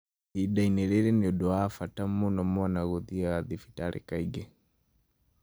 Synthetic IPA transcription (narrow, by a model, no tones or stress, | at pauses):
iɗainɛɾɛɾɛnɛɔɗɔafatamːɔnɔmɔanaɣɔðiaɣaðifi̥taɾʔɛ̰kaiɡɛ